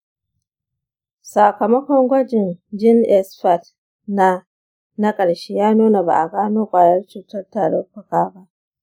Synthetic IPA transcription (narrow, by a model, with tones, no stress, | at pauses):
sa˨kɐ˨mɐ˦kʷɔ˦ŋɡʷɐ˦d͡ʒɪ˨nd͡ʒɪ˦nʔɛ˦sɸa˨t | na˦ | nɐ˦kʼɐ˨ɽʃeː˦jaː˦nuː˦na˨ba̰˨ʔa˨ɡaː˦noː˦kʷʼaː˨jɐ˦rt͡ʃuː˨tɐ˦rtaː˨ɽe˦ɸʊ˨kaː˦ba˦ʔ